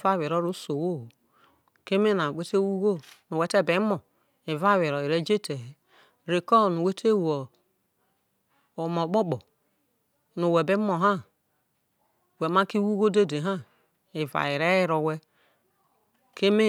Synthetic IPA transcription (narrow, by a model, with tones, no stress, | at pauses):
va˦˨we˨ɾo˦ɾo˦so˨wo˦˨ | ke˦me˦na˨we˦te˦wu˦ɡo˦nu˨wɛ˨˦te˦˨be˨˦mo˨ | i˨va˦˨we˨ɾo˨i˨ɾe˦d͡ʒe˦te˨ | ɾe˨kɔ˦˨nu˨we˦tʰe˦wo˨ | o˨mo˨ɡ͡bo˦k͡pɔ˨ | nu˨we˨be˦mo˨ɦa˦ | we˨ma˦ki˦wu˦ɡo˦de˦˨de˨ɦa˦ | i˨va̰˨i˨ɾe˦ji˦ɾo˨wɛ˦ | ke˦me˦